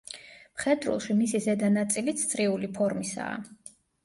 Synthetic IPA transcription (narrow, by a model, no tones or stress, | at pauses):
mχɛd̪ɾṵlˠʃimisizɛd̪anat̪sʼilit̪st̪sʼɾiulipʰɔɾmisa̰ː